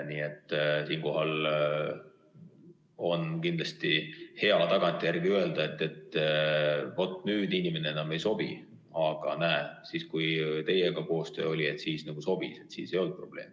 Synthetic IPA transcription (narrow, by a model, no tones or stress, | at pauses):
niːe̞t̪ˑːsiːnko̞ɦɑl | o̞nkind̪lɑst̪ihe̞ɑt̪ɑɡ̥ɑnt̪ʲːˑijærɡ̥iøe̞ld̪̥ɑe̞t̪ːˑe̞t̪ː | o̞t̪ːˑnyːd̪̥inime̞neenɑme̞jso̞b̥ḭ | ɑɡ̥ɑnæːsiskujt̪e̞jeɡ̥ɑko̞ːst̪ø̞̰ːo̞lʲie̞t̪ˑsiːsnɑɡ̥uso̞b̥ise̞t̪sḭːse̞jo̞ld̪̥̚pro̞b̥le̞ːm